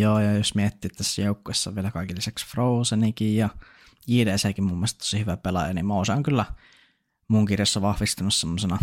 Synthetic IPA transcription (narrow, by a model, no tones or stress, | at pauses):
joːjɑːjosmiet̪ːiːt̪ːt̪æsːæjoukːuesːɑʋielækɑˑikilːisæksfrousenikijjɑ | iːdeseːkimmumːelst̪t̪t̪osihyʋæpelɑ̰jɑ̰nimmoˑːsɑoŋkylːæ | muŋkirjɑsːɑʋɑhʋist̪unussemːosenɑ